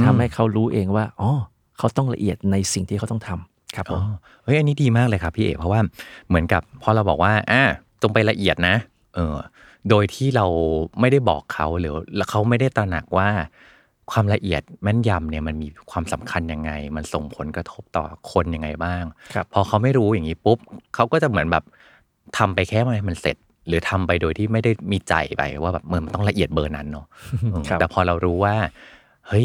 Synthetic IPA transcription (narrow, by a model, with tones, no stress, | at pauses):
t̪ʰa˧mha˥˩jkʰa˦˥wɾuː˦˥ʔeː˧ŋwaː˥˩ʔɔː˧˩ | kʰa˦˥wt̪ɔ˥˩ŋla̰˧ʔi˨˩ət̪̚na˧jsi˨˩ŋt̪ʰiː˥˩a˦wt̪ɔ˥˩ŋt̪ʰa˧m | kʰa˦˥pʔʰo̰ː˦˧˩ | ʔɤ˦˥jʔa˧nːiː˦˥diː˧maː˥˩klɤː˧jkʰa˦˥pʰːiː˥˩ʔḛː˨˩pʰɔ˦waː˥˩mɯ˩˦ənka˨˩pʰːɔː˧ɾa˧wbɔ̰ː˨˩k̚waː˥˩ʔaː˧˩ | t͡ɕo˧ŋpa˧jla˧ʔi˨˩ət̪̚na˦˥ | ʔɤː˧ | doː˧jt̪ʰiː˥˩ɾa˧wma˥˩jda˥˩jbɔ̰ː˨˩kʰːa˦˥wlɯː˩˦lkʰa˦˥wma˥˩jda˥˩jt̪ɾa˧na̰˨˩k̚waː˥˩ | kʰwaː˧mla˧ʔi˨˩ət̪̚mɛ˦˥˩nja˧mni˥˩ɐma˧nmiː˧kʰwaː˧msa˨˩˦mkʰa˧nja˧ŋːa˧jma˧nso˨˩ŋpʰo˨˩˦nkɾa˧t̪ʰo˦˥p̚t̪ɔ̰ː˨˩kʰo˧nja˧ŋːa˧jbaː˥˩ŋʰpʰɔː˧kʰa˦˥wma˥˩jɾuː˦˥ja˨˩ŋːiː˦˥pu˦˥p̚kʰa˦˥wkɔː˥˩t͡ɕa˨˩ʔmɯ˩˦nbɛː˨˩p̚ | t̪ʰa˧mpa˧jkʰɛː˥˩ma˧ma˧nse˨˩t̪̚ | ɾɯː˩˦t̪ʰa˧mpa˧jdoː˧jt̪ʰiː˥˩ma˥˩jda˥˩jmiː˧t͡ɕa̰˧jpa̰˧jwaː˥˩ɛː˨˩p̚ma˧˥nma˧nt̪ɔ˥˩˨la˧ʔi˨˩ət̪̚bɤː˧na˦˥nːɔ˦˥ʔɯː˧ɛː˨˩pʰɔː˧ɾa˧wɾuː˦˥waː˥˩ | hɤ˦˥j